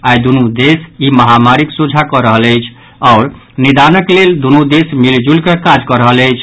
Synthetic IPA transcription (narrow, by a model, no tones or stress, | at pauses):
ajd̪unud̪esiməɦamaɾiksud͡ʒʱakɔɾəɦələjt͡ʃʰ | ɔʊɾ | nid̪anəkleld̪unud̪esmild͡ʒulkəkad͡ʒkəɾəɦələjt͡ʃʰ